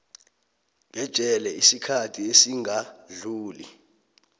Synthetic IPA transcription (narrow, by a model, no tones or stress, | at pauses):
ɓɛd̥ʒ̥ʼʱɛlɛisikʰatʰiesiŋɡʱaɮuːlḭ